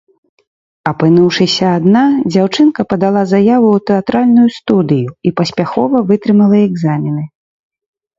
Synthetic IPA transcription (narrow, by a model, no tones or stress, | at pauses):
ɐpɨnuwʂɨsʲɐːd̪nad͡zʲawt͡ʂɨnkɐpɐd̪alˠazajavut̪ɛat̪ɾalʲnujust̪ud̪ɨjuipɐsʲpʲaxɔvɐvɨt̪ɾɨmɐlˠɐɛɡzamʲinɨ